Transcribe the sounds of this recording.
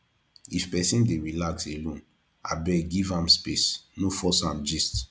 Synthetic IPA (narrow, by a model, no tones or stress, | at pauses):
ifpɛsĩndeɹilakselõn | a̰bɛɡivãmspesnofɔsãmd͡ʒist